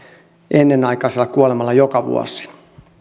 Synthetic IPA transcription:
ʔenːenɑikɑiselːˑɑkuolemɑlːɑjokɑʋṵo̰si̥

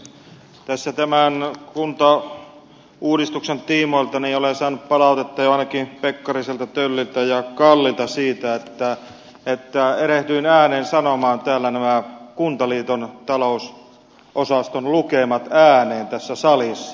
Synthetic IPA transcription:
t̪æsːæt̪æmænkunt̪ɑ | uːdist̪uksent̪iːmoˑilt̪ɑniolensɑːnːuppɑlɑˑut̪et̪ːɑjoɑˑinɑkipekːɑriselt̪ɑt̪ølːilt̪æjɑkɑlːit̪ɑsiːt̪æet̪ːæ | et̪ːæeɾeht̪yinæːneːnsɑnomɑːnt̪æːlːænæmækunt̪ɑliːt̪ont̪ɑlous | ʔosɑst̪onlukemɑt̪æːneːnt̪æsːæsɑlisːɑ̥

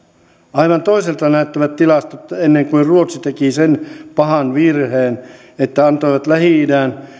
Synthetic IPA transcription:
ɑiʋɑnt̪oiselt̪ɑnæyt̪ːæʋæt̪t̪ilɑst̪ot̪ːenːeŋkuiruot̪sit̪ekisenpɑhɑnʋirheːn | et̪ːæɑnt̪oiʋɑt̪læhiˑdæːn

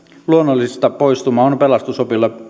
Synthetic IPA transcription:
luonːolːˑisist̪ɑpoist̪umɑːonpelɑst̪usopilːɑ

